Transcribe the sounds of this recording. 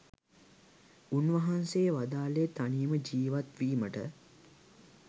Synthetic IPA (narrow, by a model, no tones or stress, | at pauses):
unʋɐɦanseːʋad̪aːlet̪aniːməd͡ʒiːʋat̪ʋiːməʈə